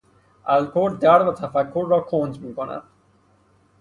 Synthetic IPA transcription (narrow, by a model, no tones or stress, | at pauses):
ʔælkʰoɾ̚d̪æɾvæt̪ʰæfækʰːoɾːɒːkʰoːnd͡ʒmiːkonæ̰d̪̥